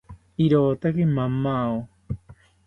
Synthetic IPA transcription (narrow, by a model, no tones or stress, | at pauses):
iɾoːt̪akimamao